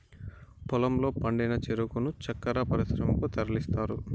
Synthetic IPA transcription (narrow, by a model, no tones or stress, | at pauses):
pɔlɐmlo̞ːpɐɳɖɐjnɐt͡ʃeɾukunut͡ʃɐkːɐɾɐpɐɾisɾɐmɐkut̪ɐɾɐlist̪aːɾu